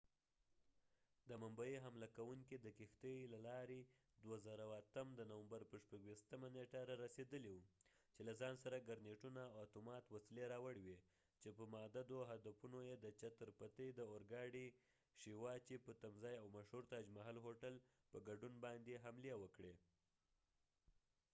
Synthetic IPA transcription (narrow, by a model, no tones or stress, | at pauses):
d̪əmambajiɦamlakawuŋkid̪əkixt̪əjlalɑɾe | d̪wazəɾawat̪əmd̪ənawambaɾpəʃpaɡwist̪əmaneʈaɾaɾased̪əliwut͡ʃelazɑnsaɾaɡaɾneʈunaːwat̪omɑt̪wasileɾɑwəɽwe | t͡ʃepəmɑd̪ad̪oɦad̪afunojed̪ət͡ʃat̪əɾpat̪əd̪əoɾɡɑɽi | ʃiwɑt͡ʃepət̪amzɑjawmaʃhuɾt̪ɑd͡ʒmaɦɑlɦoʈal | pəɡaɖunbɑnd̪eɦamlewəkɽe